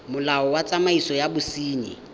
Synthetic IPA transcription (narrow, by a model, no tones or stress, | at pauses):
mʊlaɔwat͡sʼamaisɔjabʊsiːɲɪ̰